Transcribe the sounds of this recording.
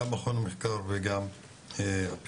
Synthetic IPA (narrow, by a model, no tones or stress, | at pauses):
amaχonmeħkaɾveɡam | p